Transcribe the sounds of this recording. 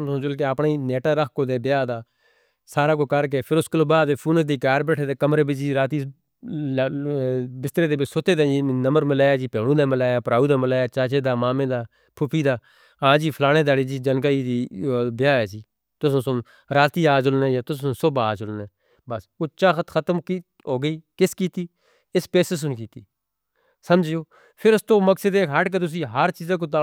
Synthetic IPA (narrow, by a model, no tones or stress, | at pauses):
õːd͡ʒʊlk̬eːəpɳːiːneːʈaːɾəkʰkoːd̪eːbɪjaːd̪aː | saːɾaːkoːkəɾk̬eːpʰɪɾʊskəloːbaːd̪eːpʰuːnəsd̪iːkaːɾbɛːʈʰeːd̪eːkəmɾeːbɪt͡ʃiːɾaːt̪iː | bɪst̪ɾeːd̪eːbɪsʊt̪eːd̪ẽːd͡ʒiːnəməɾmɪlaːjaːd͡ʒiːpeːɽũːd̪aːməlaːjaːpɾaːuːd̪aːmɪlaːjaːt͡ʃaːt͡ʃeːd̪aːmaːmẽːd̪aː | pʰʊpʰiːd̪aː | ãːd͡ʒiːpʰəlaːɽ̃ẽːd̪aːɽiːd͡ʒiːd͡ʒənkaːiːd̪iːbjaːɛːsiː | t̪ʊsõːsʊ̃ | ɾaːt̪iːaːd͡ʒʊlnẽːjaːt̪ʊsːsʊbaaːd͡ʒʊlnẽː | bəsoːt͡ʃaːxət̪xʰət̪əmki | ɦoːɡəiːkɪskiːt̪iː | ɪspeːsəs̬ʊnk̬iːt̪iː | səmd͡ʒɪjoː | pʰɪɾʊst̪õːməksəd̪eːɦəʈk̬et̪ʊs̬ĩːɦəɾt͡ʃiːzãːk̬oːt̪̬aː